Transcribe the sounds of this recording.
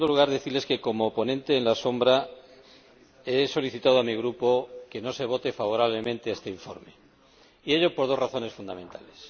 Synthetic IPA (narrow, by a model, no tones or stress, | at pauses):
und̪oluɣ̞aɾðeθileske̞ko̞mo̞po̞nẽ̞nt̪eːnlaso̞mbɾa | e̞so̞liθit̪að̞oamiɣ̞ɾupo̞ke̞no̞se̞β̞o̞t̪e̞faβ̞o̞ɾaβ̞le̞mẽ̞nt̪e̞est̪e̞iɱfo̞̰ɾme̞ | ieʎo̞po̞ɾð̞o̞sraθo̞nesfund̪a̰ment̪a̰le̞s